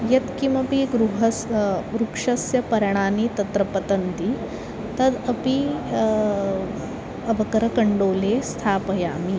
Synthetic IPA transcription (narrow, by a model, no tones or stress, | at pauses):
jɐt̪kimɐpiɡɾuɦɐsɾukʂɐsjɐpɐɾɐɳ̃aːnit̪ɐt̪ɾɐpɐt̪ɐnt̪i | t̪ɐd̪ɐpi | ɐbʱɐkɐɾɐkɐɳɖoːleːst̪ʰaːpɐjaːmi